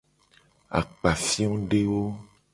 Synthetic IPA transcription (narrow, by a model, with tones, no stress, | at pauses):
a̰˨k͡pa˨fĩ˦ɔ̃˦ɖe˦wo˦